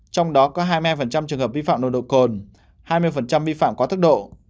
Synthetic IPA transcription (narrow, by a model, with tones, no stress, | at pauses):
t͡ɕɔ˧wŋ͡mɗɔ˨˦kɔ˨˦ɦaː˧jmi˧aː˧jfə˨˩nt͡ɕa˧mt͡ɕɨ˨˩əŋɦəː˨˩p̚vi˧fa̰ː˧˨mnɗo̰˨˧˨ɗo̰˧˨ko˨˩n | haː˧jmɨ˧əjfə˨˩nt͡ɕa˧mvi˧fa̰ː˧˨mkɔ˨˦t̪ʰɨ˦˥k̚ɗo̰˧˨